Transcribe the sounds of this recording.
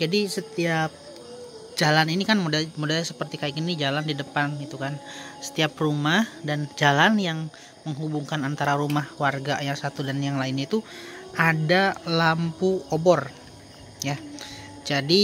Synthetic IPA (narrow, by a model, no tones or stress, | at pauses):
d͡ʒadisət̪iap̚ | d͡ʒalaninikanmudamudasəpərt̪ikaɪkinid͡ʒalandidəpanit̪ukansə̥t̪iaprumahdand͡ʒalanjaŋ | məŋɦubuŋkanant̪aɾaɾumahkwarɡajaŋsat̪udanjaŋlaɪnit̪uʔadalampuobɔr | ja | d͡ʒadi